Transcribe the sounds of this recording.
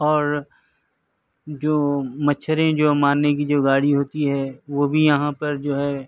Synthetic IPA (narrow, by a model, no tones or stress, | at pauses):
ɔːɾ | d͡ʒoːmɐtːʃʰəɾẽd͡ʒoːmaːnːekid͡ʒoːɡaːɽiɦoːt̪iɦɛːʋoːbʱijɐɦãpɐɾd͡ʒoːɦɛː